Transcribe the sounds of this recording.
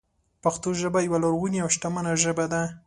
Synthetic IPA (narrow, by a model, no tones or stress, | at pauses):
paxt̪oʒəbajawalaɾɣuneawʃʈamanaʒəbad̪a